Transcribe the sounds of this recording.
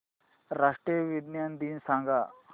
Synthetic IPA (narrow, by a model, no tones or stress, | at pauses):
ɾaʂʈɾijʋid̪njand̪iːnsãŋɡa